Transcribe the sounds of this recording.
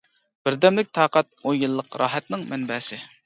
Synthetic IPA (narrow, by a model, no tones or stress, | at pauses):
b̥ɪɾd̪ɛmlɪk̚ʲt̪ʰɑːqɛt̪̚ojjɨlˠːəqɾɑːɦɛt̪nɪŋmɛnbɛːsɪ